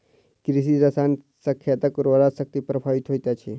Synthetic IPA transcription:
kɾisid͡zasan | səkʰjat̪əkɾoɾasək̚t̪iːpɾəpʰaʋit̪ɦojt̪jat͡ɕʰe

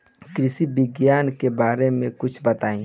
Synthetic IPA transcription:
kɾɪsibɪɡjaːnkebaːɾemẽkʊt͡ʃʰbɐt̪aːĩ

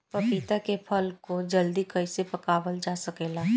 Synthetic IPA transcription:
pɐpit̪akepʰəlkod͡ʒɐld̪ikɐɪsepɐkaːwəld͡ʒaːsɐkeːlaː

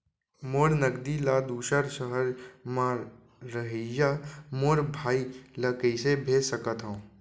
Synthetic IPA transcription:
moːɾnəɡd̪ilad̪uːʃəɾsəɦəɾmã | ɾəɦijamoːɾbʱaːilakəisebʱeːsəkət̪ɦã

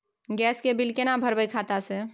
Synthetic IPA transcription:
ɡɛskebilkenabʱəɾbəjkʰat̪ase

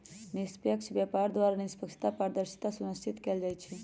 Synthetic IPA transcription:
nispjəkʃbjapaɾd̪ʋaɾanispəkʃʰi̥t̪apəɾd̪əɾʃi̥t̪asunəst͡ʃit̪keld͡ʒajt͡ʃʰe

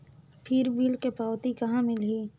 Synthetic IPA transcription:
pʰɪɾʋiːlkepaːwt̪ikɐɦãmɪlɦiː

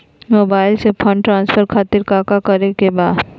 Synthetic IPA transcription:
moːbaːɪlsepʰə̃ɳɖʈɾãːnspʰəɾkʰaːt̪ɪɾkaːkakɐɾekebaːd̪

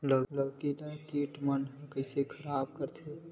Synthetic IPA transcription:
lələbkilakiʈmənɦkəɪsekʰəɾaːb̚kəɾt̪ʰe

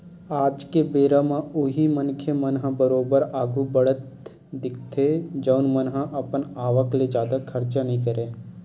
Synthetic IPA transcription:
aːd͡ʒkebeːɾamãʊɦimənkʰemənɦãbəɾoːbəɾaːɡubəɽət̪ | d̪ɪkʰt̪ʰed͡ʒəʊnmənɦãʔɐpənaːʋəkled͡ʒjaːd̪akʰəɾt͡ʃanəɦĩkəɾeː

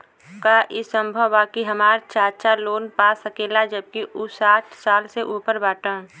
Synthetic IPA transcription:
kaʔɪsə̃mbʱəwːaːkiɦəmaːɾt͡ʃʰaːʃʰaloːnpaːsəkeːlad͡ʒəb̚kiʔʊsaːʈʰsaːlseʔuːpəɾbaːʈə̃

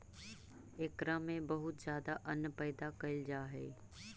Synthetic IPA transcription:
eːkɾamẽbɐɦʊt̪zjaːd̪aʔɐnpɛːd̪akɐɪld͡ʒaːɦeː

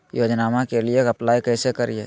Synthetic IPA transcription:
joːd͡ʒnaːmãkelieɐplaːikɛːsekɐɾieː

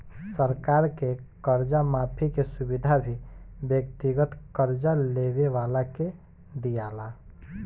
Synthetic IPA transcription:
səɾkaɾke | kəɾd͡ʒamapʰikesubid̪ʱabʱibjəkt̪iɡət̪kəɾd͡ʒalebeʋalake | d̪ijala

